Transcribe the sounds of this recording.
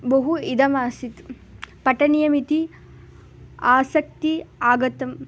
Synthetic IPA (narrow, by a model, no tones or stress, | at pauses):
bɐɦuid̪ɐmaːsit̪ | pɐʈɐnijɐmit̪i | aːsɐk̚t̪iaːɡɐt̪ɐm